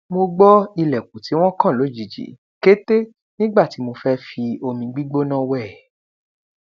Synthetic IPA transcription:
mo˧ɡ͡bɔ˦i˧lɛ˨k̚u˨ti˨˦w̃ɔ̃˦kã˦˨lo˨˦˨d͡ʒi˨d͡ʒḭ˨˦ | ke˦te˦ | nĩ˦ɡ͡ba˦˨ti˨˦mo˧fɛ˦fi˧o˧mĩ˧ɡ͡bi˦ɡ͡bo˦nã˦˨wɛ˦˨

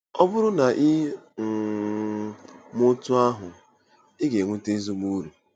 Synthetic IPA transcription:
ɔ˦bʊ˦ɾʊ˦na˨ʔɪ˦ŋ̩˨ | mʊ˦tʊ˦a˦ɦʊ˨ | ɪ˦ɡe˨ŋʷu˦te˦i˦zu˦mu˦ɾu˨

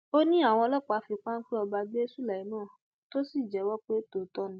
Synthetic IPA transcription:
o˦nĩ˦a˦˨w̃ɔ̃˧lɔ˦k͡pa˨˧fi˧k͡pa˦n̩˦k͡pi˦ɔ˧ba˧ɡ͡bi˦e˦su˦la˨i˨˦nãː˦˨ | to˦si˦˨d͡ʒɛ˨˦wɔ˦k͡pe˦to˨tɔ˦nũ˦

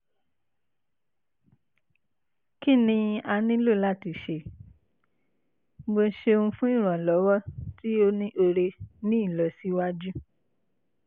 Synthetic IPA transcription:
ki˦˨nĩ˧a˧nĩ˦lo˦˨la˦˨ti˨ʃe˨ | ɡ͡bo˧˦ʃe˧ũ˧fũ˦i˦˨ɾ̃ã˨lɔ˨˦wɔ˦ti˦o˦nĩ˦ʔo˧ɾe˧nĩ˦i˦˨lɔ˨si˨˦wa˦d͡ʒu˦

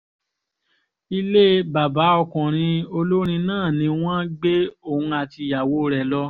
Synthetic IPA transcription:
i˧le˦ba˨ba˨˦ɔ˧kɔ̃˨ɾ̃ĩ˧o˧lo˦ɾ̃ĩ˧nãː˦˨nĩ˧w̃ɔ̃˦ɡ͡be˦o˦˨ũ˧a˧ti˧˨ja˨wo˨˦˧ɾɛ˨lɔ˧˦

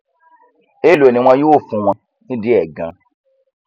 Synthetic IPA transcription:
e˦lo˨e˨nĩ˨˦w̃ã˧jo˦˨fũ˧w̃ã˧ | nĩ˦di˦ɛ˨ɡã̰˧

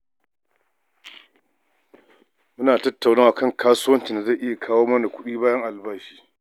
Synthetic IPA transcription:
mʊ˦naː˨tɐ˦tːa˨wnaː˦wa˨kɐ˦˨ŋkʰaː˦sʊu˦wɐ˦nt͡ʃi˨nda˨za˦˨ʔɪ˦ja˨kʰaː˦woː˦mɐ˦na˨kʷʊ˦ɗiː˦baː˦jɐ˦ŋʔa˨lbaː˦ʃi̥ː˦

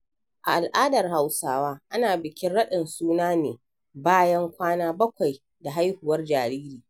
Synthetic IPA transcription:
ʔa̰˨ʔa˨lʔaː˦dɐ˨rɦa˨wsaː˦waː˦ʔa˦naː˨bɪ˨kʲɪ˦nɽɐ˦ɗɪ˨nsuː˦naː˦nḛː˨ | baː˦jɐ˦ŋkʷaː˦naː˦bɐ˦kʷa˨j | da˨ɦa˦jhʊ˨wɐ˦rd͡ʒaː˨ɾiː˦ɾiː˨

